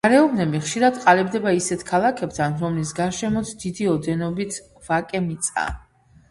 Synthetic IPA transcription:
aɾɛɔbnɛbiχʃiɾad̪qʼalɛbd̪ɛbaisɛt̪ʰkʰalˠakʰɛp̚t̪ʰanɾɔmlis̬ɡaɾʃɛmɔt̪sd̪̥id̪iɔd̪ɛnɔbit̪ʰ | vakʼɛmit̪sʼa̰

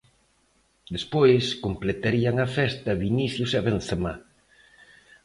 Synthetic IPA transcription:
d̪espojskomplet̪aɾiɐŋɐfɛst̪ɐβiniθjʊseβen̟θema

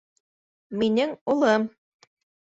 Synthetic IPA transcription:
minɘŋulˠɤm

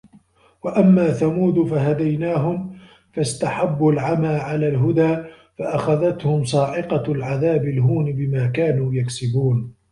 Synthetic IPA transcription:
waʔamːaːθamuːd̪ʊfaɦad̪ajnaːɦʊm | fast̪aħabːʊlʕamaːʕalaːlɦʊd̪aː | faʔaxaðat̪hʊmsˤɑːʕɪqɑlʕaðaːbɪlɦuːnɪbɪmaːkaːnuːjaksɪbuːn

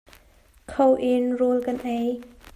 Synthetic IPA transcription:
kʰowʔenrulkanʔəj

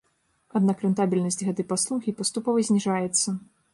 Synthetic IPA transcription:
ad̪nakɾɛnt̪abʲilʲnɐsʲtʲɣɛt̪ɐjpaslˠuxʲipɐst̪upɔvɐzʲnʲiʐajɛt̪sːɐ

